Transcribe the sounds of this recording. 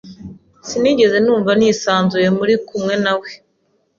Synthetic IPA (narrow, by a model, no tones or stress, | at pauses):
siniɟe̞ze̞nuːɱvaniːsaːnzuje̞muɾikumŋe̞nawe